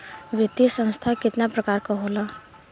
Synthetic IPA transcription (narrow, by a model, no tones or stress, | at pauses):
ʋɪt̪isə̃ñst̪ʰakɪt̪napɾɐkaːɾkaɦoːlaː